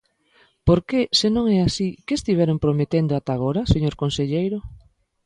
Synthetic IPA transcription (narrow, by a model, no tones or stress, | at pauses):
poɾkesɪnõŋɛasikeest̪iβ̞ɛɾompɾomet̪end̪oat̪aɣ̞oɾaseɲoɾkonseʎejɾo